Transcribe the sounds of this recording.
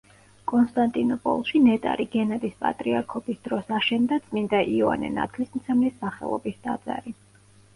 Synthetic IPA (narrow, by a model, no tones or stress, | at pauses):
kʼɔnst̪ʼant̪ʼinɔpʼɔ̰lˠʃinɛt̪ʼa̰ɾiɡɛnad̪ispʼa̰t̪ʼɾiaɾkʰɔbisd̪̥ɾɔsaʃɛnd̪at̪sʼmind̪aʔiɔa̰nɛ̰na̰t̪ʰlismt̪sʰɛmlisːaχɛ̰lˠɔ̰bisd̪ad̪z̥a̰ɾi